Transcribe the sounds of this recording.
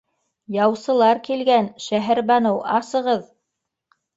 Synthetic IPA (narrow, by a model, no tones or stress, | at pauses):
jɑwsɤ̆lˠɑɾkilɡænʃæɦæɾbɑnɤwɑsɤ̆ʁɤð